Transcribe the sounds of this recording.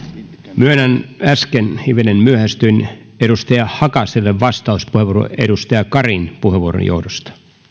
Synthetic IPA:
myønænæskenhiʋenenmyøhæst̪yn | eɾust̪ɑjɑhɑkɑselːeʋʋɑst̪ɑuspuheʋuoro̰ʔḛdust̪ɑjɑkɑrinpuheʋuoɾo̰jo̰wdost̪ɑ̥

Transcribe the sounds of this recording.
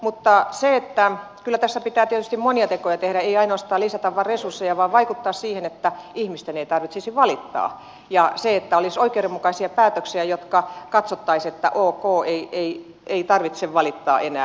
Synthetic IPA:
mut̪ːɑseet̪ːæ | kylːˑæt̪æsːæpit̪æːt̪iet̪y̥st̪immoniɑt̪ekojɑt̪ehɾæeiɑinoɑst̪ɑːlisæt̪ɑʋʋɑresursːejɑʋɑːʋʋɑikut̪ːɑːssiːhenet̪ːæihmist̪eneit̪ɑrʋit̪sesiʋʋɑlit̪ːɑ̰ː | jɑseet̪ːæolisoikeoremukɑisiɑpæːt̪øksiæjot̪kɑkɑt̪sot̪ːɑiset̪ːæ̰ʔoːkoːeiei | eit̪ɑrʋit̪seʋʋɑlit̪ːɑ̰ːʔenæ̰ː

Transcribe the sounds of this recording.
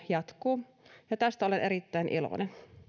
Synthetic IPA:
jɑt̪kuː | jɑt̪æst̪æolenʔeɾit̪ːæinʔilo̰nen

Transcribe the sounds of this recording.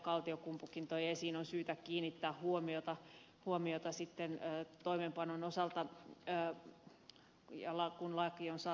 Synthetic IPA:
kɑlt̪iokumpukːint̪ojɑsiːnonsyːt̪ækkiːnːit̪ːæːhhuomiot̪ɑ | huomiot̪ɑsit̪ːenːt̪oimempɑnonosɑlt̪ɑː | jɑlɑkunlɑkːionsɑ

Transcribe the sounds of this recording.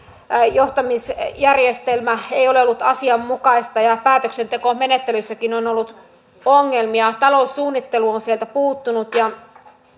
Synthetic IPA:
joht̪ɑmisjærjest̪elmæeioleolːut̪ɑsiɑmːukɑist̪ɑjɑpæːt̪øksent̪e̞komenet̪ːelysːækinonolːut̪ | oŋːelmiɑt̪ɑlousːuːnːit̪ːeluonsielt̪æpuːt̪ːunut̪jɑ

